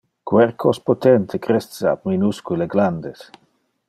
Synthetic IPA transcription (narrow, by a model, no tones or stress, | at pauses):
kwɛɾkʰospot̪ent̪ʰekɾessea̰bminuskuleɡland̪es